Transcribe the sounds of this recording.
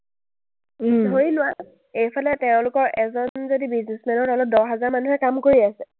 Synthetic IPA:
ɦojlʊwa | ejpʰalɛtɛʊ̃lʊkɔɹʔɛzɔnzodibiznismɛnɔtɔlɔp̚dɔɹɦazaɹmanuɦɛkamkoɹiasɛ

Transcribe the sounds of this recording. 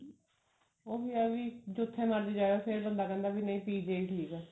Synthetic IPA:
oːbiːaʋiːd͡ʒʊt̪ʰːẽːməɾd̪eːd͡ʒaːʋepʰeɾbənd̪aːkɛ̃ːnd̪aːbiːnəĩːpiːd͡ʒeiːʈʰiːkɛː

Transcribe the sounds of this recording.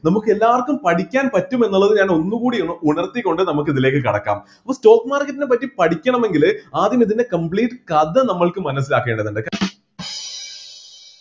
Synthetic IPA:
nɐmukːɨe̞lːaːʋɐrkːumpɐʈikʲːaːnpɐtːume̞nːuɭːɐðɨɲaːno̞nːukuːɽiuɳuɳɐrt̪ːikːo̞ɳɖɨnɐmuk̬ːiðile̞ːkːɨkɐɽɐ̰kːa̰ːm | ɐpːɐsto̞ːkːɨmaːrkːɐtːinep̬ɐtːipɐʈʰikʲːɐɳɐme̞ŋɡilaːd̪jɐmiðinde̞kɐmpbɭiːʈːɨkɐd̪ɨnɐmːɐɭkɨmːɐnɐs̬ːilaːkːeːɳɖɐðuɳɖɨk

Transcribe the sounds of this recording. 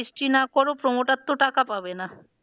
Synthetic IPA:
isʈinakɔɾopɾɔmoʈat̪ːoʈakapabena

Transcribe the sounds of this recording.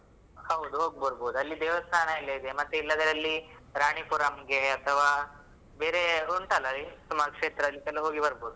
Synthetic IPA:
haud̪ɦoɡbəɾbod̪əlːiːd̪eʋəst̪ʰanajled̪emat̪eilːad̪əɾalːi | ɾaɽ̃ipuɾamɡeət̪ʰəʋa | bʱeɾeɦoɳʈʰaləlit̪umakʂet̪ɾəlikaləɦoɡibəɾbod̪

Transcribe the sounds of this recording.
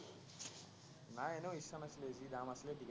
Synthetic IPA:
naːjenuisɐmɐsleːzid̪aːmɐslediɡ

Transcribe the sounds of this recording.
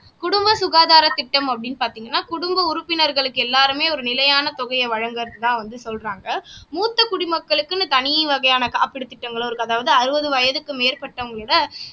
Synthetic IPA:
kʊɽʊmbɐsʊɣaːðaːɾɐt̪ːɪʈːɐmɐpːɐɽɪnːpaːɾt̪iːŋɡɐnːaːkʊɽʊmbɐʊɾʊpːɪnɐɾɣɐɭɯkːɯɛlːaːɾɯmeːɔɾɯnɪlɐjaːnɐt̪ɔɣɐjɐʋɐɻɐŋɡɐɾɐðɯt̪ãːʋɐnd̪ɯsɔlraːŋɡɐmuːt̪ːɐkʊɽɪmɐkːɐɭɯkːɯnːɯt̪ɐnɪjɐʋɐɣɐjaːnɐkaːpːɪɽɯt̪ːɪʈːɐŋɡɐɭɔɾɯkːɯɐðaːʋɐðɯɐɾɯbɐðɯʋɐjɐðɯkːɯmeːɾpɐʈːɐʊŋɡɐɭɪɽɐ

